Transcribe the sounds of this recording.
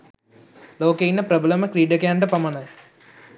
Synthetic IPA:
loːkejinɐpɾɐblɐmɐkɾiːɖɐkaːɳɖɐpɐmɐnɐ

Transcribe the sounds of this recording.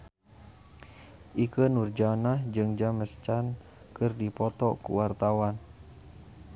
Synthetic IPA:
ʔikənurd͡ʒanahd͡ʒɨŋd͡ʒaməst͡ʃan | kɨrdipɔt̪ɔkṵwart̪awan

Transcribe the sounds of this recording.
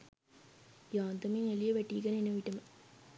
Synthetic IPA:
jaːnd̪ɐminɐlijɐʋɐʈːiːkɐnenɐʋiʈːɐmɐ

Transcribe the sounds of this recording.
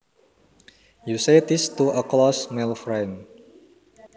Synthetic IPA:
jusedɪstuəklɔsmelfɹãn

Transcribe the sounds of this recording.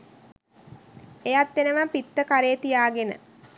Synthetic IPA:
ejat̪ːenəʋampit̪ːəkaɾejət̪ijaːɡenə̰

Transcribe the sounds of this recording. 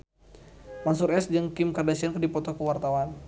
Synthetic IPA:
mansuɾɛsd͡ʒɨŋkimkardasiankədipɔt̪ɔkəwart̪awan

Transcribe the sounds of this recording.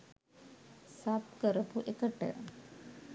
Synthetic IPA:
sapkəɾɐpuʔekəʈːə̰

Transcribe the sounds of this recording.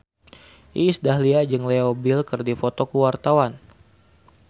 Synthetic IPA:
ʔisdahliad͡ʒɨŋlɛobilkɨrdifot̪ɔkuwart̪awan

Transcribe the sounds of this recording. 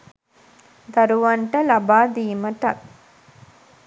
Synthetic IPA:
d̪ɐɾuʋɐɳʈɐlɐbaːd̪iːmɐʈɐk

